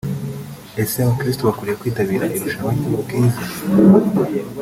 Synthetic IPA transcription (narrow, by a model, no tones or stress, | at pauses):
e̞semokɾistoβakuɾijekwiːtaβiːɾaʔiɾuʃaβaɲimuɡiːza